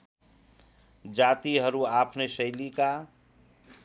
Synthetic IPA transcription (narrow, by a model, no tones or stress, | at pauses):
d͡ʒaːt̪iɦəɾuaːpʰnesəɪlika